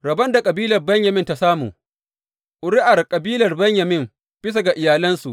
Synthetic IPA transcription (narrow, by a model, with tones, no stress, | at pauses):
ɾɐ˨bɐ˦nda˨kʼɐ˨biː˦lɐ˨rbɐ˦ɲjɐ˨mɪ˦nta˦saː˦mṵː˨ | ʔʊ˨ɾɪ˦ʔa˨rkʼɐ˨biː˦lɐ˨rbɐ˦ɲjɐ˨mɪ˦m | b̥ɪ˦s̬a˨ɡa˨ʔɪ˨jaː˨lɐ˦nsu˨ʔ